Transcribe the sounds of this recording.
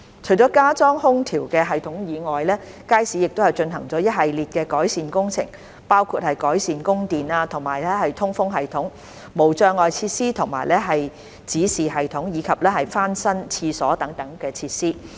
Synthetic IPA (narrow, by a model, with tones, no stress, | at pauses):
t͡ʃʰɵ˨˩t͡ʃɔː˨˥kaː˥t͡sɔː˥ŋhʊ˥ŋt̪ʰiː˨˩wkɛː˧ɦɐ˨jt̪ʰʊ˨˥ŋjiː˨˧ŋɔː˨jlɛː˥ | kaː˥jsiː˨˥jɪ˨k̚t̪whɐ˨jt͡ʃɵ˧nɦɐ˨˩ŋt͡sɔː˨˥jɐ˥t̚ɦɐ˨jliː˨t̚kɛː˧kɔː˨˥jsiː˨nkʊ˥ŋt͡sʰɪ̰˨˩ŋ | paː˥wkʰuː˧t̚hɐ˨jkɔː˨˥jsiː˨nkʊ˥ŋt̪iː˨naː˧t̪ʰʊ˨˩ŋmaː˨˩jlɛː˥hɐ˨jt̪ʰʊ˥ŋfʊ˥ŋɦɐ˨jt̪ʰʊ˨˥ŋ | mo˨˩wt͡sœː˧ŋɔː˨jt͡sʰiː˧t̚siː˥t̪ʰʊ˨˩ŋma̰ː˨˩jlɛː˥ɦɐ˨j | t͡siː˨˥siː˨ɦɐ˨jt̪ʰʊ˨˥ŋjiː˨˧kʰɐ˨p̚lɛː˥hɐ˨jfaː˥nsɐ˥nt͡sʰiː˧sɔː˨˥t̪ɐ˨˥ŋt̪ɐ˨˥ŋkɛː˧t͡sʰiː˧t̚siː˥